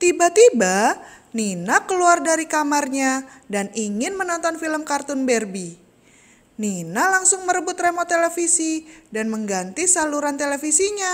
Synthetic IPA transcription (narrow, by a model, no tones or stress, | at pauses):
t̪ibat̪iba | ninakəluardaɾikamarɲadaniŋɪnmənɔnt̪ɔnfiləmkart̪ʊnbɛrbi | ninalaŋsʊŋməɾəbʊt̪remot̪elefisidanməŋɡant̪isaluɾant̪elefisiɲa